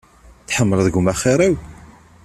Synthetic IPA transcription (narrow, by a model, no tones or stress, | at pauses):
θħəmːələðəɡʊmæχiɾˤæw